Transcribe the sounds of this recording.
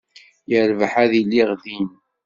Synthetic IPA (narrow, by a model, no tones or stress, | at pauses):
jəɾvəħæðilːiʁðin